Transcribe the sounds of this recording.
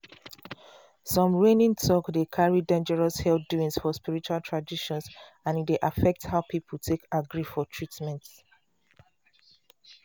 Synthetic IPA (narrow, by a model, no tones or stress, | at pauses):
sɔ̃mɹenĩŋtʰɔkdekʰaɹidẽnd͡ʒɛɹɔshɛlduĩŋsfɔspiɹit͡ʃualtʰɹadiʃɔ̃ns | ãnitdeʔafɛk̚thaʊpipʰultʰekaɡɹifɔtʰɹitmɛ̃nts